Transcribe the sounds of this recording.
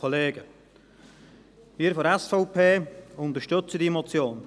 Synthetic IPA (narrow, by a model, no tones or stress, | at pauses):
ɔleːɡə | miːəɾfɔɾɛsfɔʊpʰeːʊnt̪əɾʃtʏt͡sədimɔt͡sjoːn